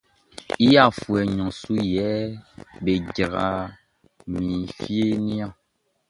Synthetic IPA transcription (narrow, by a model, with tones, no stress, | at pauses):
i˦ja˦˨fu˨ɛ˨ɲɔ̃˨su˦jɛ˨˦be˨ɟa˨ɣa̰˨ | mĩ˨fi˦e˦nĩ˦ã˦˨